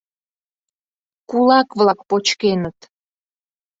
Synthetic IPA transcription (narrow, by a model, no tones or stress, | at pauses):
kulɑkβlɑk̚pot͡ɕkenət̪